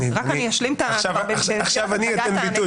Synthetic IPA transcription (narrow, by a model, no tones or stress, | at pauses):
ʁakaniaʃlimt̪aavabeaχʃavaniot̪enbit̪u